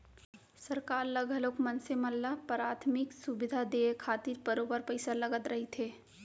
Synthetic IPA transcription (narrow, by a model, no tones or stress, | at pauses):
səɾkaːɾləɡəloːkmənseməlːapɾaːt̪ʰmɪksubɪd̪ʱad̪eːekʰaːt̪iɾbəɾoːbəɾpəɪsaləɡət̪ɾɐɦit̪ʰeː